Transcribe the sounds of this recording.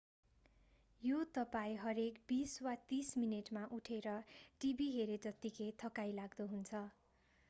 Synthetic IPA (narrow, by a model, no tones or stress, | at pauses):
jot̪ʌpaĩɦʌɾekbiswat̪ismineʈmaʔuʈʰeɾʌʈibiɦeɾed͡zʌt̪ːikʰet̪ʰʌkajlaɡd̪uɦunt͡sʰʌ